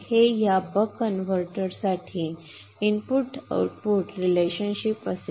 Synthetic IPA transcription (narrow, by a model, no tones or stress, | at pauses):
hejabəkənʋəɾʈəɾsaʈʰiː | inpuʈa̰wʈpuʈɾileɕənɕipəse